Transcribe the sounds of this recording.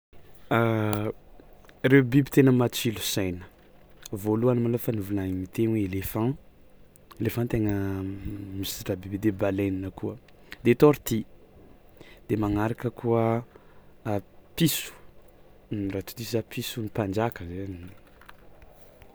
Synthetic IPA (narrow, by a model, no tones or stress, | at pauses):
rewbibi̥t̪enəmat͡ʃilusajnə | voluanəmalofanuvunaimit̪enweelefã | elefãt̪eŋə | misiʈ͡ʂabibid̪ebalajninəkuə | d̪et̪oɾit̪i | d̪̥emaŋaɾakəkuə | pisu̥ | nrat̪u̥t̪isapʰisunipand͡ʒakəzni